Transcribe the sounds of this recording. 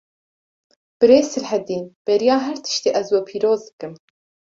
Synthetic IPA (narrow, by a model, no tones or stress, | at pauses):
b̥ɨɾeːsɨlħɛd̪iːnb̥ɛɾijɑːɦɛɾt̪ʰɨ̥ʃt̪eːʔɛzwɛpʰiːɾoːzd̪ɨkɨm